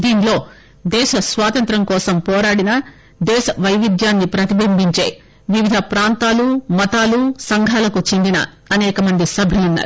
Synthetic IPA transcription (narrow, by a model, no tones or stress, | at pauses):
d̪iːnlo̞ː | d̪ɛːʃɐsʋaːt̪ɐnt̪ɾɐmkɔːsɐmpɔːɾaːɽinɐ | d̪ɛːʃɐʋɐjʋid̪jaːnːipɾɐt̪ibɐmbiɲt͡ʃḛːj | ʋiʋid̪ʱɐpɾaːnt̪aːlumɐt̪aːlusɐŋɡʱaːlɐkut͡ʃend̪inɐ̰ː | nɛːkɐmɐnd̪isɐbʱilunːɐ̰ːɾu